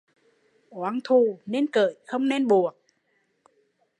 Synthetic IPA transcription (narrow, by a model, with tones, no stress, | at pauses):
ʔwaː˨˦ŋt̪ʰu˧˩ne˧nkə̰ː˧˨jxə˧wŋ͡mne˧nɓu˨˩ək̚